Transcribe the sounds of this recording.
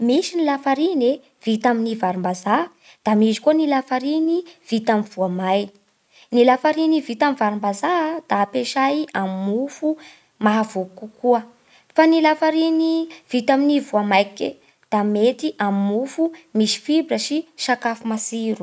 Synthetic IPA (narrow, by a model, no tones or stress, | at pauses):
miʃinilafaɾine | v̥it̪aminivaɾumbaza | d̪̥amizi̥kuənilafaɾiniv̥it̪amiv̥uamaj | nilafaɾinivit̪amivaɾumbazad̪̥aːpeʃajamimufu | maɦavubukukuə | fanilafaɾiniv̥it̪aminivuamajkḛ | d̪̥amet̪iʔamimufumisi̥fibrəʃiʃakafumasiɾu̥